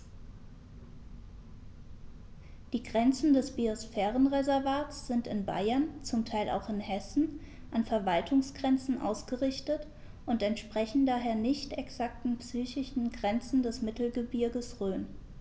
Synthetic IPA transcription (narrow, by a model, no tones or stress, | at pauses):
d̥iːɡʁɛnt͡sn̩dɛsb̥iosfɛːʁənʁezɛɐvaːtsz̥ɪntɪnba̰ɪɐnt͡sʊmtʰaɪlʔa̰ʊxɪnhɛsn̩ | ʔanfɛɐvaltʰʊŋsɡ̥ʁɛnt͡sn̩ʔa̰ʊsɡ̥əʁɪçtət | ʔʊntɛntʃpʁ̥ɛçn̩daːɦeːɐnɪçtɛksak̚tn̩psyːçɪʃn̩ɡʁɛnt͡sn̩dɛsmɪtl̩ɡəbʏɐɡəsʁøːn